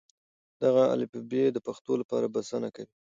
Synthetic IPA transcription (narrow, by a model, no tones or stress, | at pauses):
d̪̥aɣaa̰lipubed̪əpaxt̪olapɑ̰ɾabasanakawi